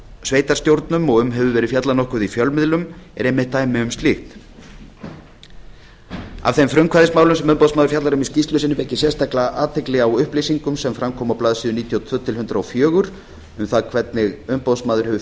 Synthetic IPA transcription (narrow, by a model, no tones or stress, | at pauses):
sveːjt̪aɾst̪jowɾt̪nʏmɔɣʏmɦɛvʏvɛːɾɪðfjat̪lanɔhkʏðifjœlmɪðlʏmɛ̰ɾejmɪht̪ːaːjmɪʏmst̪lixt̪ | a̰v̥θejmfɾʏmkʰvaɾðɪsmaːwlʏmsɛmʏmpɔðsmaðʏɾ̥fjat̪laɾʏmiscist̪lʏsɪnʏmɛhcːɪsjɛst̪aklaʔaːt̪ʰːeklɛɣawʏhplisiŋkʏmsɛmfɾamkʰɔːmawplaːðsiːðʏniːt̪ʰjɔt̪ʰvœːt̪ʰɪlɦʏnt̪ɾaɔfjœːɣʏɾ̥ | ʏmθaðkʰvɛt̪̚nɪɣʏmpoðsmaːðʏɾ̥hɛvʏ